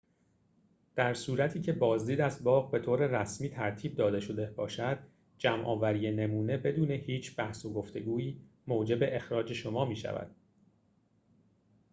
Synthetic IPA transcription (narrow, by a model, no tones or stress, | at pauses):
d̪̥æɾsuːɾæt̪ʰiːcʰe̞bɒːzd̪iːd̪æzbɒːɣbe̞t̪ʰoːɾe̞ræsmiːt̪ʰæɾt̪ʰiːb̚d̪ɒːd̪e̞ʃo̞d̪e̞bɒːʃæd̪̥ | d͡ʒæmʔɒːvæɾiːjene̞muːne̞be̞d̪uːne̞hiːt͡ʃʰb̥æhsoɡo̞ft̪e̞ɡuːiː | moːd͡ʒe̞be̞ʔexɾɒːd͡ʒe̞ʃo̞mɒːmiːʃæ̰væ̰d̪̥̚